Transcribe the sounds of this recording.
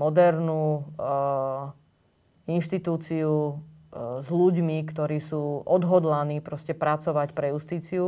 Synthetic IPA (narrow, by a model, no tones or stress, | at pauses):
mɔd̪ɛɾnuː | inʃt̪it̪uːt͡siu | zluɟmikt̪ɔɾiːsuːɔd̪ɦɔd̪laniːpɾɔscɛpɾat͡sɔʋacpɾɛjust̪iːt͡siu